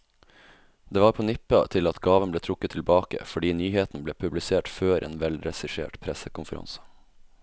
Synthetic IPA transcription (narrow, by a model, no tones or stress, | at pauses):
d̪̥eːʋɑːɾpʰoːnɪpːɑ̰t̪ʰɪlɑt̪ɡɑːʋənbleːt̪ʰɾʊkːət̪ʰːɪlbɑːkə̰fɔɖiːnyːheːt̪n̩bleːpʰʉblɪseːʈføːɾʔḛːnʋɛlɾɛsɪʂḛːʈpʰɾɛsəkʊnfəɾɑ̰nsə̥